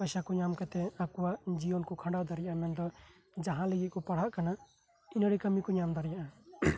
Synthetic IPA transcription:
pajsakɔɲamkat̪ɛakuwad͡ʒiɔnkɔkʰãɳɖawd̪aɾijaʔamɛnd̪ɔ | d͡ʒaɦãləɡit̪̚kɔpaɽ̤aʔkana | inəɾikəmikɔɲamd̪aɾijaʔa

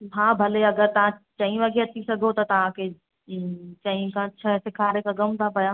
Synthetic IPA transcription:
ɦãːbʱɐleɐɡəɾt̪ɐʋ̤ãt͡ʃɐ̃ĩʋaɡiɐt̪isɐɡʱot̪ɐt̪ɐʋ̤ãkʰe | t͡ʃɐ̃ĩkʰãt͡ʃʰɐsɪkʰaːɾekaɡɐmt̪ʰapɐjaː

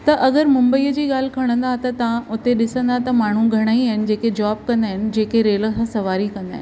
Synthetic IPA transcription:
t̪ɐʔɐɡəɾmʊ̃mbəiːəd͡ʑiːɠaːl̤ɪkʰɐɽ̃ə̃nd̪aːɦt̪ɐt̪ɐʋãʔʊt̪eɗɪsə̃nd̪aɦt̪ɐmaːɳ̤ũɡʱɐɽ̃aiaɦɪnɪ̆d͡ʑeːked͡ʑɔːb̚kɐ̃nd̪aːɦɪnɪ̆d͡ʑeːkeɾeːləxɐ̃sɐʋaːɾikɐ̃nd̪a̰ːɦɪn

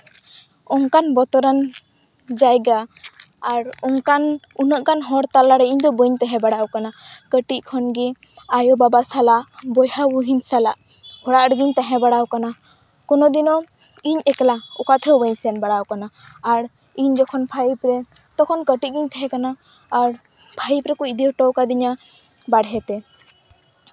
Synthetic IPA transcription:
ɔŋkanbɔt̪ɔɾan | d͡ʒajɡaː | ɾɔŋkan | unəʔkanɦɔɾt̪alaɾɛiɲd̪ɔbəɲt̪aɦɛ̃baɽawkanakəʈickʰɔnɡɛ | ajɔbabasalaʔbɔjhabuɦiɲsalaʔ | hɔɽaʔɾɡiɲt̪aɦɛ̃baɽawkana | kɔnɔd̪inɔ | iɲɛklaɔkat̪ʰɛwbəɲsɛnbaɽawkanaːɾ | iɲd͡ʒɔkʰɔnpʰajipɾɛ | t̪ɔkʰɔnkəʈit̪̚ɡiɲt̪aɦɛ̃kanaː | ɾ | pʰajpɾɛkɔid̪iɔʈɔwkad̪iɲa | baɽɦɛt̪ɛ

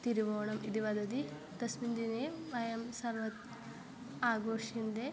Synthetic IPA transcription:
t̪iɾiʋoːɳɐmid̪iʋɐd̪ɐd̪i | t̪ɐsmind̪ineʋɐjɐmsɐɾʋɐt̪ | aːɡoːʂɐnd̪e

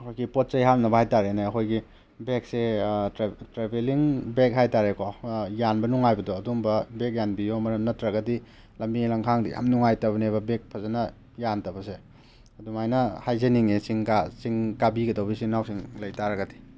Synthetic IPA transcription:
ɐkʰojɡipot̚t͡ʃɐjɦanɐbɐhajtaɾeneɐkʰojɡi | bek̚se | tɾebeliŋbek̚ɦajtaɾekʰojanbɐnuŋajbɐdɔɐdumbɐbek̚janbijomɐɾnɐtɾɐɡɐdi | lɐmbilaŋkʰaŋdḭja̰mnuŋajtɐbɐnebɐbek̚pʰɐzanɐ | jantɐbɐse | ɐdumajnɐhajzeniŋesiŋkasiŋkabiɡɐtowbisiŋnawsiŋlɐjtaɾɐɡɐdi

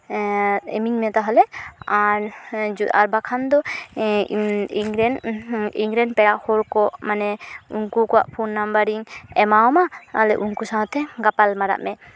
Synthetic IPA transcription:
ɛmiɲmɛt̪aɦɔlɛaɾd͡ʒua̰ɾbakʰand̪ɔ | iŋɾɛniŋɾɛnpɛɾaʔhɔɾkɔʔmanɛuŋkukɔwa̰ʔpʰunːambaɾiŋɛmaɔmaɔlɛ̰ʔuŋkusãɦɔt̪ʰɛɡapalmaɾa̰ʔmɛ

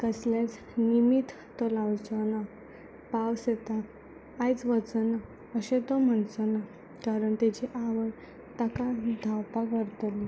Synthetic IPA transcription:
kəslẽt͡s | nimit̪ːɔlawt͡səna | pawset̪aː | jt͡sʋət͡səna | əɕẽt̪ɔm̤əɳt͡sɔna | kaɾəɳt̪et͡ɕiʔaʋəɽ | t̪akad̪ʱawpakəɾt̪əli

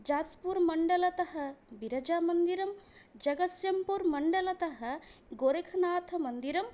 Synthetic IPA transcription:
d͡ʒaːt͡spuɾmɐɳɖɐlɐt̪ɐɦɐ̆biɾɐd͡ʒaːmɐnd̪iɾɐm | d͡ʒɐɡɐsjɐmpuɾmɐɳɖɐlɐt̪ɐɦɐ̆ɡoɾekʰɐnaːt̪ʰɐmɐnd̪iɾɐm

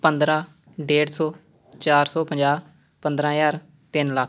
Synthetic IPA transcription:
pənd̪ɾãː | ɖeːɽsɔː | t͡ʃaːɾsɔːpəɲd͡ʒaː | pənd̪ɾãːjaːɾ | t̪ɪnlək

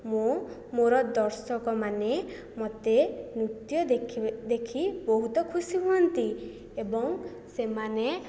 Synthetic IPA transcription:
momoɾɔd̪ɔɾsɔkɔmane | mɔt̪enut̪jɔd̪ekʰibɔɦut̪ɔkʰusiɦuɔnt̪i | ebɔŋ | semane

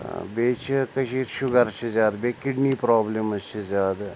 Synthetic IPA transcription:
beːt͡ʃʰikɐʃiːɾʃʊɡɐɾt͡ʃʰizaːd̪beːkiɖniːpɾaːblemɐt͡ʃʰizaːd̪

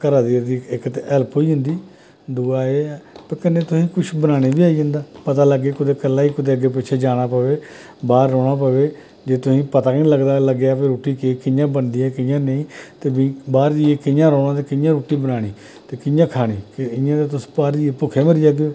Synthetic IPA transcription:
kəɾaːd̪iːd̪iːɪkt̪eʔɛləpɦoːiːɦʊ̃nd̪iː | d̪uːaːepəɾkənːeːt̪ʊsĩːkʊt͡ʃʰbənaːɽ̃eːbiːaːiːd͡ʒə̃ːnd̪aːpət̪aːləɡːeːkʊt̪eːkəlːaːiːkʊd̪eːəɡːeːp̬ɪt͡ʃʰeːd͡ʒaːɽ̃aːpəʋeː | baːɾːɔːɽ̃aːp̬əʋeː | d͡ʒeːt̪ʊsĩːpət̪aːkĩːləɡd̪aːləɡejaːpeɾoːʈiːkekɪjãːbənd̪iːɛːkɪjãːnəĩːt̪eːbĩbaːɾd͡ʒiːeːkɪjãːɾɔːɽ̃ãːt̪̬eːkɪjãːɾoːʈiːbənaːɽ̃iː | t̪eːkɪjãːkʰaːɽ̃iːkɪɪjãːt̪eːt̪ʊspaːɾd͡ʒiːepʊkʰeːməɾiːd͡ʒaːɡoː

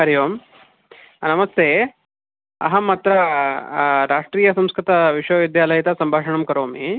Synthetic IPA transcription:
ɐɾjoːm | nɐmɐst̪ʰeː | ɐ̰ɦɐmɐt̪ɾɐ | ɾaːʂʈɾiːjɐsɐmskɾɪt̪ɐʋiʂʋɐʋid̪jaːlɐjɐt̪ɐsɐmbʱaːʂɐɳɐmkɐɾoːmi

